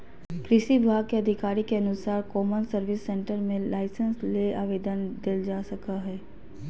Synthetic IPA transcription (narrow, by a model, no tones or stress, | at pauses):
kɾɪʃibʱaːɡ̚keɐd̪ʱɪkaːɾikeɐnʊsaːɾkɔːmənsəɾʋɪsːẽːɳʈəɾmẽlaːɪsənsleaːʋeːd̪ənd̪eld͡ʒaːsɐkaɦɛː